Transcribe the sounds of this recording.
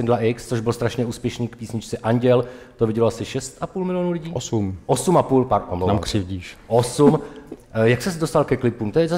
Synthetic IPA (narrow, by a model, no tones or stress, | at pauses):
ɛndlaʔɪkst͡soʒbɪlst̪ɾaʃɲɛuːspjɛʃniːkpiːsɲɪt͡ʃt͡sɛʔaɲɟɛl | t̪ovɪɟɛloasɪʃɛst̪ʔapuːlmɪlɪjonulɪɟiːosumʔosumʔapuːlpaɾʔo̰monamkr̥ɪvɟiːʃʔosum | jakst̪ɛsdost̪alkɛklɪpumt̪ojɛza